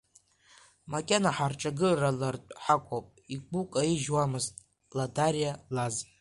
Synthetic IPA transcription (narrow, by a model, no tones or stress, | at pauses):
makʲʼanaħarʈ͡ʂʼaɡɨralartʼħakʷʰʼopʼiɡukʼaiʒwamɨztʼ | ladarijalaz